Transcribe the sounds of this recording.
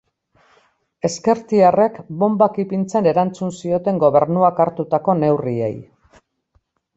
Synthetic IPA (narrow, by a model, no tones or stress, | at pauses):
e̞ske̞ɾt̪iare̞kbo̞mbakipint͡sene̞ɾant͡sunsio̞t̪e̞ŋɡo̞βe̞ɾnuakaɾt̪ut̪ako̞ne̞wriḛj